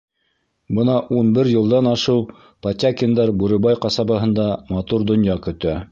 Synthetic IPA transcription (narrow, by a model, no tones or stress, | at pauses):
bɤnɑʔunbɘɾjɤ̆lˠd̪ɑnɑʃɤw | pɐt̪ʲakʲind̪ɑɾbuɾɘ̆bɑjqɑsɑbɤ̆ɦɤ̆nd̪ɑmɑt̪uɾd̪ŏnjɑkɵ̆t̪æ